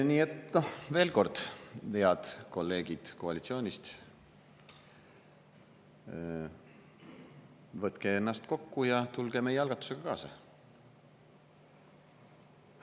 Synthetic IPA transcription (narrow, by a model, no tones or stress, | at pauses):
niːet̪no̞hve̞ːlko̞rd̪̥veɑd̪̥ko̞lːe̞ːɡ̥id̪̥ko̞ɑlit̪sio̞ːnʲist̪ | vɤt̪ke̞enːɑst̪ko̞kːujɑt̪ulɡ̥e̞me̞jeɑlɡ̥ɑt̪ːˑu̥se̞ɡ̥ɑkɑːsɑ̰